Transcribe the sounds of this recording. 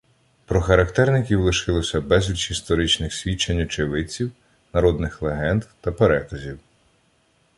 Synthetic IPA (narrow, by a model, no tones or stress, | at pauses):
pɾɔxɐɾɐkt̪ɛrnɪkʲiwlˠɪʃɪlˠɔsʲɐbɛzʲlʲit͡ʃist̪ɔɾɪt͡ʃnɪxsʲʋʲit͡ʃːenʲːɐt͡ʃeʋɪt͡sʲiw | nɐɾɔd̪nɪxlˠeɦɛnd̪t̪ɐpeɾɛkɐzʲiw